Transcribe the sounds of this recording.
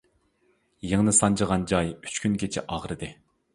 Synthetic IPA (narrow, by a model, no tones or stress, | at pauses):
jeŋnɨsɑnt͡ʃəʁɑnd͡ʒɑjy̥t͡ʃkʲʰynkʲet͡ʃʰɛ̰ʔɑʁɾɨd̪ɨ